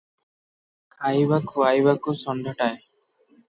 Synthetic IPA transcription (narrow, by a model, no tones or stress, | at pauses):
kajbakʰuajbakusɔnd̪ʱɔʈaj